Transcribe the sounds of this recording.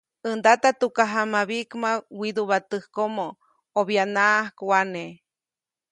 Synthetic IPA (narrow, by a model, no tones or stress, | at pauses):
ɨnd̪at̪at̪ukaɦamaβikmãwid̪uβat̪ɨhkomo | oβjanaahkwane